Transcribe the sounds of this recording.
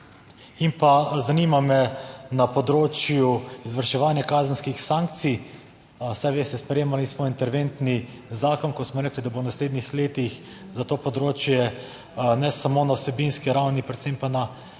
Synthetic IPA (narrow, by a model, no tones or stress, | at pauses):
impazaniːmamɛnapɔd̪ɾoːt͡ʃjuizʋəɾʃɛʋaːnjakaːzənskixsaŋk̚t̪si | sajʋeːst̪ɛspɾɛjeːmalismɔint̪ɛɾʋent̪ni | zaːkɔnkɔsmɔɾɛːklid̪abownasleːd̪nixleːt̪ix | zat̪oːpɔd̪ɾoːt͡ʃjɛ | nɛsamonawsɛbinskiɾawnipɾɛt̪sempana